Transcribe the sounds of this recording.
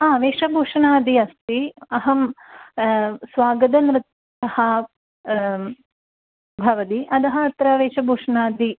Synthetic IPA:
aːʋeːʂɐbʱuːʂɐnaːd̪iɐst̪iɐɦɐm | sʋaːɡɐd̪ɐnɾɪt̪ | ɐhɐ | bʱɐʋɐt̪iʔɐd̪ɐɦɐɐt̪ɾɐʋeːʂɐbʱuːʂɐnaːd̪i

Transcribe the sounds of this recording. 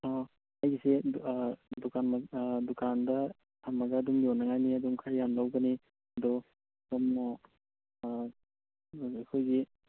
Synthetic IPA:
ɔ | hajɡise | dukʰanmadukʰandɐ | hamːaɡɐːdumbonaŋajniɐdumkʰajːanlawɡɐni | ɐdɔ | kamnɔ | akʰojɡi

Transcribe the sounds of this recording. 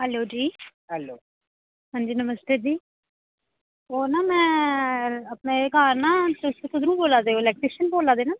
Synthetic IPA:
ɦɛloːd͡ʒiː | ɦɛloː | ɦə̃ːnd͡ʒiːnəməst̪eːd͡ʒiː | oːnaːmɛ̃ː | əpneːkaːɾnãːt̪eʊseːkʰʊd̪ɾũːboːlaːd̪eːoːlɛːk̚ʈɾɪʃənboːlaːd̪eːnaː

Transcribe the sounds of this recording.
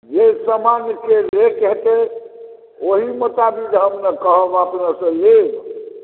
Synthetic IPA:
jeisəmankeɾekɦet̪e | oɦimət̪abikd͡ʒɦəmnekəɦəbapnasə̃leb

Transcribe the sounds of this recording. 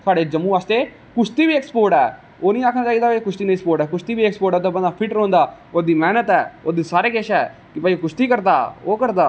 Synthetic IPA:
t̪ʰaːɖeːd͡ʒəmːũːʋaːst̪eː | kʊʃt̪iːʋiːekspoːɾʈɛː | oːnĩːaːkʰnaːt͡ʃaːiːd̪aːpekʊʃt̪iːnĩspoːɾʈɛːkʊʃt̪iːbiːekspoːɾʈɛːt̪̬aːbənd̪aːpʰɪʈɾõːnd̪aː | oːd̪iːmɛːnət̪ɛːoːd̪iːsaːɾeːkeʃɛː | kɪpaːikʊʃt̪iːkəɾd̪aːoːkəɾd̪aː

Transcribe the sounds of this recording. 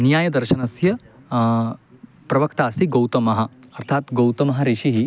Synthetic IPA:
njaːjɐd̪ɐɾʃɐnɐsjɐ | pɾɐʋɐkt̪aːsiɡɐwt̪ɐmɐɦɐ̆ɐɾt̪ʰaːt̪ɡɐwt̪ɐmɐɦɐɾiʃiɦi

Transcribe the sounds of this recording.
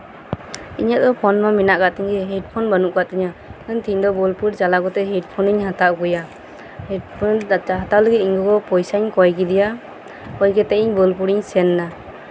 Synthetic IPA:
ḭɲaʔd̪ɔpʰɔnmaminaʔkat̪iɲɛɦɛʈpʰɔnbanuʔkat̪iɲakant̪ʰiɲd̪ɔbɔlpuɽt͡ʃalaɡɔt̪ɛɦɛʈ̚pʰɔniɲhat̪aʔɡɔja | hiʈpʰɔɦat̪aləɡit̪̚iɲɡɔɡɔpɔjsaɲkɔjɡid̪ija | kɔjɡɛt̪ɛʔiɲbɔlpuɽiɲsɛnːa

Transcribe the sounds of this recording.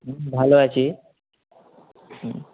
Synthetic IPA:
ɦbʱaloat͡ɕi

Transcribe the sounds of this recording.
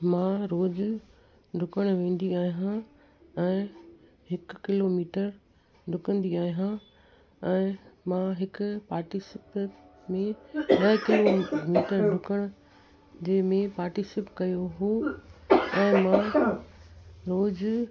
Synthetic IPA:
mãɾoːd͡ʑ | ɖʱʊkəɽ̃ʋẽːn̆d̪iaːɦiɦã | ɛ̃ː | ɦɪkkɪloːmiːʈəɾ | ɖʱʊkə̃nd̪iaːɦiɦã | ɛ̃ːmãɦɪkpaːɾʈɪsɪp | mẽbɐɦkɪlomiːʈəɾɖʱʊkəɽ̃ʊ̆ | d͡ʑeːmẽpaːɾʈɪsɪpkɐjoɦo | ɛ̃ːmã | ɾoːd͡ʑ

